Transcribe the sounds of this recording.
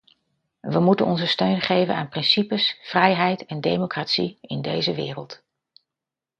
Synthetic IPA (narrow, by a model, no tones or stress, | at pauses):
ʋəmutə̰nɔnzəstøɥnχejvənaːnprɪnsipəsfrɛjɦɛjtɛndejmokraːtsiɪndejzəʋɪːrəlˠt